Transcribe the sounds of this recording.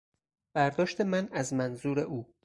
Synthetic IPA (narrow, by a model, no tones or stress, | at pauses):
b̥æɾd̪ɒːʃt̪e̞mænæzmænzuːɾe̞ʔuː